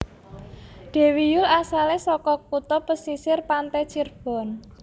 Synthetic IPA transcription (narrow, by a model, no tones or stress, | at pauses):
ɖ̥e̤wijʊlasalɛsɔkɔkut̪ɔpəsisɪrpant̪ɛt͡ʃirb̥ɔ̤n